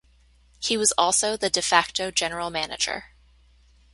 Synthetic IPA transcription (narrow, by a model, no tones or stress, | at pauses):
hiwʌzɔlˠsoʊðɨdɨfæk̚toʊd͡ʒɛnə˞l̩ˠmænɨ̰d͡ʒə̰˞